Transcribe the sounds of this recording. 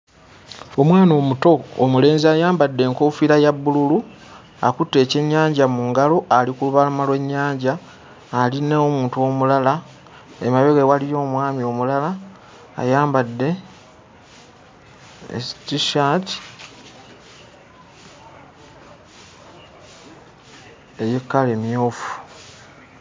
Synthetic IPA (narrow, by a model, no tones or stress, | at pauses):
o̞mwaːno̞ːmuto̞̰ːmule̞ːnziajaːmbadːe̞ːŋkoːfiɾajaβːululu | akutːe̞ːce̞ɲːaːɲɟamuŋɡalo̞ʔalikuluβalamalwe̞ɲːaːɲɟaː | linaomuːntuo̞mulala | ḛmaβeɣewalijo̞ːmwaːmio̞mulala̰ː | jaːmbadːe̞ | ḛstiʃat | ejekːale̞mjo̞ːfu̥